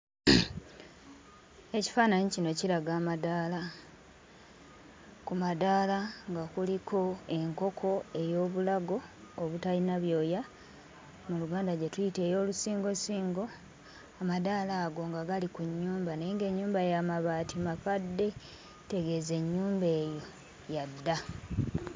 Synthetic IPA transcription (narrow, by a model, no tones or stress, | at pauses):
e̞ci̥faːnaɲicino̞ciɾaɡaːmadaːla | kumadaːlaŋɡakulikʰo̞e̞ŋko̞kʰo̞e̞jo̞ːβulaɡo̞ːβutalinaβjo̞ːja | muluɡaːndaɟetujite̞ːjo̞ːlusiːŋɡo̞siːŋɡo̞ | amadaːlaːɡo̞ŋɡaɡalikuɲːuːmbaneeŋɡe̞ɲːuːmbajamaβaːtimafadːe̞ | te̞ɡe̞ze̞ɲːuːmbeːjo̞ | jadːa